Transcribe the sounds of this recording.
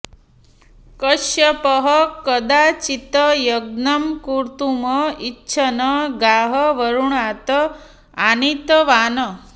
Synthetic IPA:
kəʃjɐpəɦʌkəd̪at͡ʃit̪əjɐɡ̚nɐmkuɾt̪uməitːɕʰɐnəɡaːɦəʋəɾuɳaːt̪ə | anit̪əʋaːnə

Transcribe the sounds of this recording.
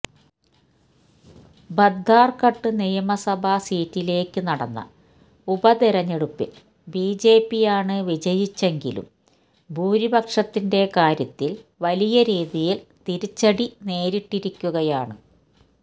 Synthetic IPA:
bɐd̪ʱːaːrkɐʈːɨnijɐmɐsɐbʱɐsiːtːile̞ːkːɨnɐɽɐnːɐ̰ | ubɐd̪iɾɐɲːeɽupːḭl | biːd͡ʑe̞ːpːijaːɳɨʋid͡ʑɐjit͡ɕːe̞ŋɡḭlṵm | bʱuːɾibʱɐkʂɐt̪ːinde̞kaːɾjɐt̪ːilʋɐlijɐɾiːðijilt̪iɾit͡ɕːɐɽine̞ːɾiʈːiɾikʲːuɣɐjaːɳɨ

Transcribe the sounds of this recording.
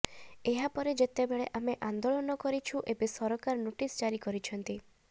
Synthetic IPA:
eɦapɔɾed͡ʒet̪ebeɭeʔameʔand̪oɭɔnɔkɔɾit͡ʃʰuʔebesɔɾɔkaɾɔnoʈisd͡ʒaɾikɔɾit͡ʃʰɔnt̪i

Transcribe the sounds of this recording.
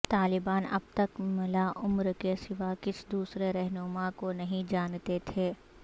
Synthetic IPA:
t̪aːlɪbaːnɐ̰b̚t̪ɐkmɪlaʔʊmɾkesɪʋakɪsd̪uːsɾeɾɛɦnʊmakonɐɦĩd͡ʒaːnt̪et̪ʰeː

